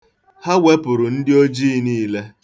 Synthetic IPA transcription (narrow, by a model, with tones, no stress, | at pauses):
ha˦we˦pʊ˨ɾʊ˨n̩˦dɪ˦o˦d͡ʒi˦niː˦le˦